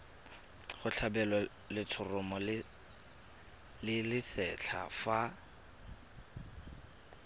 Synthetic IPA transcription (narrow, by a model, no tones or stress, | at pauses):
χʊɬʰabɛlɔ | lɪt͡sʰʊrʊmɔlɪ | lɪlɪsɛt͡ɬʰa̰fa